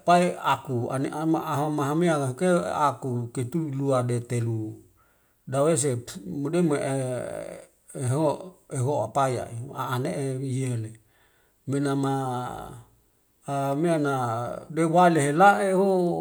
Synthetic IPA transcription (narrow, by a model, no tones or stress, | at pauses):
paiakua̰neʔamaaɦomaɦameakaɦokeakuket̪uluadet̪elu | dawes̬emodemeʔe | eɦoeɦoapaja̰ḭaːneʔeijele | menama | amianadewaleɦelaʔeɦo